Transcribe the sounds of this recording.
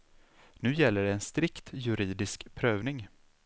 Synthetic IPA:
nʉ̟ːjɛlːəɖɛːnst̪ɾɪkt̪jɵɾiːd̪ɪskpʰɾøːvnɪŋ

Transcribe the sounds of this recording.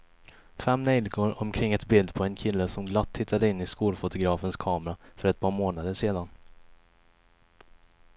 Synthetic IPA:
fɛmːnɛjlɡʰoɾɔmkʰɾɪŋːɛt̪bɪld̪pʰɔɛnkʰɪlːəsɔmɡlat̪ʰːɪt̪ʰːad̪əɪnːɪskuːlfʊt̪ʊɡɾɑːfənskʰɑːmɾafœɾɛt̪̚pʰɑːɾmoːnad̪əʂeːd̪an

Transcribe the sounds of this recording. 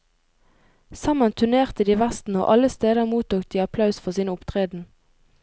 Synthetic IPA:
sɑmənt̪ʰʉneːʁt̪əd̪iːʋæst̪n̩o̰ːʔɑləst̪eːd̪əmuːt̪uːk̚d̪iːɑpʰlɑʉsfɔʁsiːnəʊpt̪ʰʁeːd̪n̩

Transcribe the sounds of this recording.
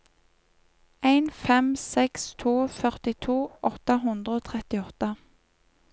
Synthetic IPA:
æɪnfɛmsɛkst̪ʰuːfœʁt̪ɪt̪ʰuːʔɔt̪əɦʉnd̪ʁəoːt̪ʰʁɛt̪ɪɔt̪ə

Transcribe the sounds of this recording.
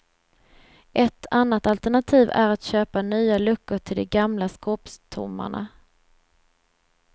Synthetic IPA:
ʔɛt̪ʰːanːat̪alt̪əɳat̪ʰiːvæ̰ɾat̪ɕøːpanyːalɵkːəʈʰɪld̪ɛɡamlaskɔːpst̪ʰʊ̰mːa̰ɳa̰

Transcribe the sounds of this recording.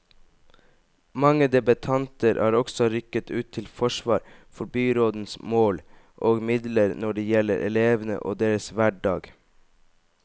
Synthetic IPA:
mɑŋəd̪ɛbət̪ʰɑnt̪əɾʔæːɾɔɡsɔɾʏkət̪ʰʉːt̪ʰːɪlfɔʃʋɑːɾfɔɾbyːɾoːd̪n̩smoːl | ʔoːɡmɪd̪ləɾnɔɖeːjɛlə̰ɾʔɛ̰leːʋnə̰ʔo̰ːd̪eːɾəsʋæɖɑːɡ

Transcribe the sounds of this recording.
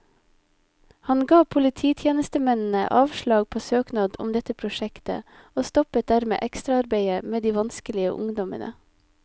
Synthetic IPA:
hɑnɡɑːpʰʊlɪt̪ʰiːt̪ʰjeːnəst̪əmɛnn̩ə̰ʔɑːʋʃlɑːɡ̚pʰoːsøːknɑːd̪ʊ̰md̪ɛt̪əpʰɾʊʃɛkt̪ə̰ | oːst̪ɔpət̪̚d̪æɾmḛːʔɛkst̪ɾɑɑɾbeɪəmeːd̪iːʋɑnskəlɪə̰ʔʊ̰ŋd̪ɔmə̰nʔə̰

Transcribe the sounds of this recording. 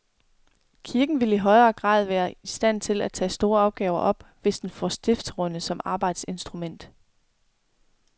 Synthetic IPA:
kʰiɐɡ̥n̩ʋe̝ləiɦɒ̽ɪɐːɡ̥ʁɑ̰̈ːð̞ˠʋæːɐisd̥æn̰t͡sʰe̝læt͡sʰɛ̰ːsd̥o̝ːɐɒ̈ʊɡ̥ɛːʊɐʔɒ̽b̥ʋe̝sd̥enfɒ̰sd̥efd̥sʁɔnəsɒ̽mɑ̈ːb̥ɑ̈ɪd̥se̝nsd̥ʁumen̰d̥

